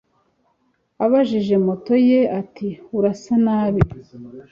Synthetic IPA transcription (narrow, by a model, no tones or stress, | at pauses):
aβaʒiʒe̞moto̞je̞atiuɾasanaːβi